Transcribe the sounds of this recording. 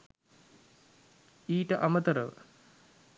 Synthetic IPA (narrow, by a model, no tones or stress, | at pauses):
iːʈəʔamət̪əɾəʋə̰